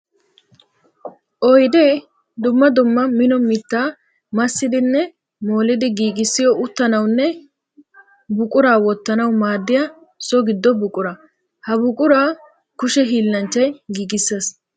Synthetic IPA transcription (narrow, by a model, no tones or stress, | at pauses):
ʔɔjd̪ɛ | d̪ʊmːɐd̪ʊmːɐmɪnɔmɪt̪ːaː | mɐsːɪd̪ɪnːɛ | mo̞ːlɪd̪ɪɡiːɡɪsːɪjɔʊt̪ːɐnɐwnːɛ | bʊkʼʊɾaːwɔt̪ːɐnɐwmaːd̪ːɪjɐ | sɔɡɪd̪ːɔbʊkʼʊɾɐ | hɐbʊkʼʊɾaː | kʊʃɛɦiːlːɐnt͡ʃːɐjɡiːɡɪsːɐs